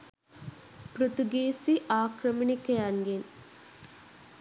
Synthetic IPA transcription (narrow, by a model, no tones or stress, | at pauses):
pɾut̪uɡeːsiʔaːkɾɐmɐɳikɐjaŋɡen